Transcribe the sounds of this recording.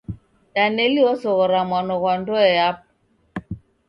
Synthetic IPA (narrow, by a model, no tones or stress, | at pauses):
taneliɔsɔɣɔɾamwanɔkwandɔɛap̚